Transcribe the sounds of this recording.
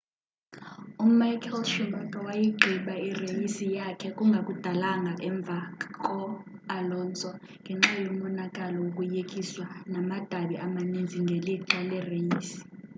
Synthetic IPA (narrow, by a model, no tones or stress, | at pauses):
umajkʰɛlʃumakʼawajiɡ͡ǃʱiɓairejisijakʰɛkʼuŋɡʱakʼud̥ʱalaŋɡʱaʔɛɱb̪vʱakʼɔalɔːnt͡sʼɔ | ŋɡʱɛŋ͡ǁajomɔnakʼalɔwokʼujekʼiswanamad̥ʱaɓiʔamanind͡zʱiŋɡʱɛliǁalɛrejiːsi̥